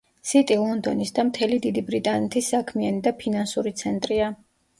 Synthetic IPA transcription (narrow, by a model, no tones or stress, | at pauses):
sit̪ʼilˠɔnd̪ɔnisd̪amt̪ʰɛlid̪id̪ibɾit̪ʼanɛt̪ʰisakʰmianid̪apʰinansuɾit̪sʰɛnt̪ʼɾia